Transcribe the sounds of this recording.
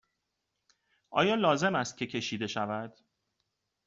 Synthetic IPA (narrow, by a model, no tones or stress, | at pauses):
ʔɒ̰ːjɒːlɒːze̞mæst̪̚cʰʲe̞cʰe̞ʃiːd̪e̞ʃævæd̪̥